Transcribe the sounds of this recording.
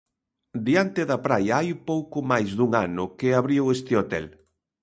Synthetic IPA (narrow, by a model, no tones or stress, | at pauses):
d̪iant̪ɪðɐpɾajɐajpowkʊmajzðuŋanʊkeaβɾiwest̪eot̪ɛ̰l